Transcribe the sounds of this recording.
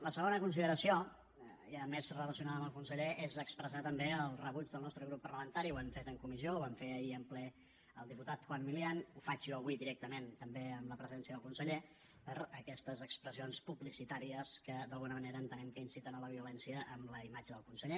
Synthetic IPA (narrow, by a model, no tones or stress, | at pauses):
ləsəɣ̞onəkunsiðəɾəsio | jamezrələsiunaðəmbəlˠkunsəʎeʔezəkspɾəzat̪əmbeəlˠrəβud͡ʒðəlˠnɔst̪ɾəɣɾupːəɾləmənt̪aɾiuwɛmfet̪əŋkumiziouβamfeəiəmplɛ | əlˠd̪iput̪at̪xwammilianufat͡ʃuəβwiðiɾɛk̚t̪əment̪əmbeəmləpɾəziɛnsijəðəlˠkunsəʎe | pəɾəkɛst̪əzəkspɾəzionspuβlisit̪aɾiəskəd̪əlˠɣunəməneɾəːnt̪ənɛmkəinsit̪ənələβ̞iulɛnsijəʔəmləimad͡ʒəðəlˠkunsəʎe